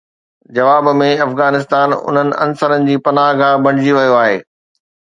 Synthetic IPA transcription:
d͡ʑɐʋaːbmẽɐfɣaːnɪs̬t̪aːnʊ̰n̤ənɪ̆ʔɐ̰nsəɾənɪ̆d͡ʑiːpɐnaːɦɡabɐ̃ɽ̃ɪd͡ʑiʋɐjoaːɦeː

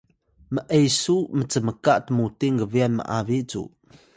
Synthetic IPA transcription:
məʔejsumət͡səməkaʔtəmutiŋɡəvianmə̰ʔaviʔt͡sṵ

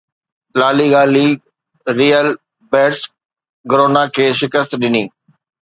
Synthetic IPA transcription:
laːliɡaːli | ɾiːəl | bɛːɾs | ɡɾoːnakʰeːʃɪkəst̪ɗɪniː

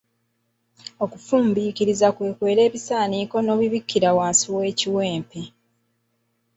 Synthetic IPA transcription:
o̞kufuːmbiːkiɾizakwe̞ːkwe̞ːɾe̞ːβisaːniːko̞no̞ːβiβikːiɾawaːnsiwe̞ːciwe̞ːmpe

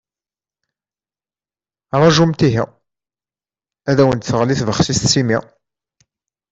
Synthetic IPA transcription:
ɾˤɑʒumt̪iɦi | æðæwənt̪θəʁliθvəχsist̪simi

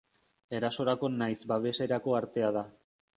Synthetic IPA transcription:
e̞ɾaso̞ɾako̞najzbaβ̞e̞se̞ɾako̞aɾt̪e̞að̞a

